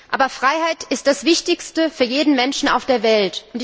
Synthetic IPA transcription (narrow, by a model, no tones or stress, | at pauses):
ʔa̰ːbɐfʁ̥aɪhaɪtʔɪst̚d̥asv̥ɪçtɪçstəfyːɐjeːdn̩mɛnʃn̩a̰ʊfd̥eːɐvɛltʊnt